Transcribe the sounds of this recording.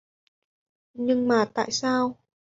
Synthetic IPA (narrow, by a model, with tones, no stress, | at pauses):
ɲɨ˧ŋmaː˨˩t̪a̰ː˧˨jsaː˧w